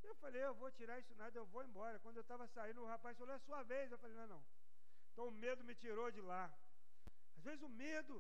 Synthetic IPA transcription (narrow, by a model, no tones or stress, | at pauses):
ewfalejewvot͡ʃiɾaisʊnad̪ɐewvoẽbɔɾɐkwɐ̃d̪ʊewt̪avɐsaĩnʊʊhapajsfaloɛsuɐvejsewfalejnɐ̃w̃nɐ̃w̃ | ẽt̪ɐ̃w̃ʊmed̪ʊmɪt͡ʃiɾod͡ʒɪla | azvezɪzʊmed̪ʊ